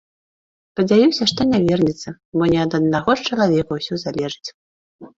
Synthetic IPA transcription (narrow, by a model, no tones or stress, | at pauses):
spɐd͡zʲajusʲɐʂt̪ɔnʲavʲɛrnʲit̪sɐ | bɔnʲɛɐd̪ɐd̪naɣɔst͡ʂɐlˠavʲɛkɐwsʲɔzalʲɛʐɨt͡sʲ